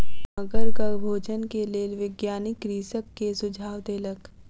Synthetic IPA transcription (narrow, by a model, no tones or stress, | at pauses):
məɡəɾkəbʱoːd͡ʒənkeleːʋɪɡjaːnɪkɾiːsəkːesʊd͡ʒʱaːwd̪eːlək